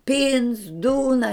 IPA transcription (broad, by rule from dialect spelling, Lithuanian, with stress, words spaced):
ˈpʲiːns ˈduːnɐ